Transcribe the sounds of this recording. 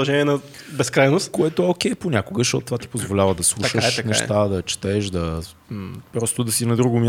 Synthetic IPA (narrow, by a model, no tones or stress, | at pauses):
ɐʒɛnʲiɛnɐ | bɛskɾajnost̪koɛt̪oɛok̟ʲɛjponʲakoɡəʃt̪ɔt̪ʊt̪ovat̪i̥pozvolʲavəd̪ɐslˠuʃəʃnɛ̰ʃt̪ad̪ɐt͡ʃɛ̥t̪ɛʃd̪ɐ | pɾɔst̪ʊd̪ɐsinɐd̪ɾuɡʊmʲj